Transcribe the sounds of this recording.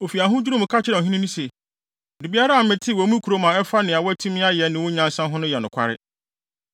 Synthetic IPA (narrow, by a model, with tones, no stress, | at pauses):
o˨fi˨a˨ɦʊ̃˦d͡ʑᶣu˦ɾũ˦m̩ʊ̃˨kʰa˦t͡ɕʰɪ˦ɾã˨ɦĩ˦nĩ˦nĩ˦se˨ | di˨bi˦a˦ɾa˦a˨˦mɪ̃˨tʰɪ˦˨wɔ˨˦mũ˦kʰu˨ɾo˦mã˨ɛ˦fa˦nɪ̃˨a˨wɔ˦æ˦tʰũ˦mɪ̃˦a˦jɛ˨nɪ̃˨wʊ˦ɲã˦n˦sã˦ɦʊ̃˦nʊ̃˦jɛ˨nʊ̃˨kʷʰa̰˦ɾɪ̰˦